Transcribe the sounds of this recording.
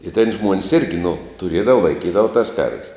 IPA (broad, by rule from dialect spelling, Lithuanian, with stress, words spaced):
ɪ tʲɛn ˈʒmuɔnʲsʲ ɪrʲɡʲɪ nʊ tʊˈrʲiɛdɐʋɐ lˠɐɪˈkʲiːdɐʋɐ tɐs kɐrʲʋʲsʲ